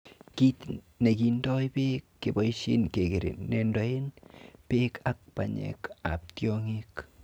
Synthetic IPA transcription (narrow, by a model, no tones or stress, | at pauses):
kit | nekindojpekːeboisḭnkekeɾɪ̰nːendoinpekʰak̚pa̰ɲḛka̰p̚tjoŋik